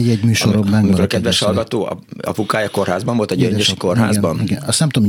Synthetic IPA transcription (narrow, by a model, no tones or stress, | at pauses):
jɛɟmyːʃoɾoblaŋmikoɾkɛd̪ʋɛʃhɒlɡɒt̪oːɒ̰ɒ̰pukaːjɒko̞rhaːzbɒɱvo̞lt̪ɛɟøɲøʃkorɦa̰ːzbɒniɡɛnɒst̪ɛmt̪odom